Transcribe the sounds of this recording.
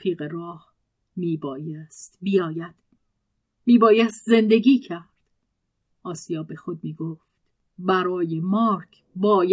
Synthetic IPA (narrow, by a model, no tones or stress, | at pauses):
iːɣeɾɒːh | miːbɒːjest̪bijɒːjæd̪̥ | miːbɒːjæst̪ze̞nd̪e̞ɡiːcʰæɾd̪̥ | ʔɒːsijɒːbe̞xod̪̚miːɡoːft̪ | bæɾɒːjemɒːɾkʰ | bɒːj